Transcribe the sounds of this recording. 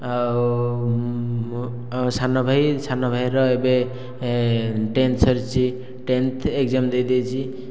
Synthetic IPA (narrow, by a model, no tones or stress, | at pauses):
aw | sanɔbʱajsanɔbʱajɾɔebe | ʈent̪sɔɾt͡ʃʰi | ʈent̪ʰekzamd̪ejd̪ejt͡ʃʰi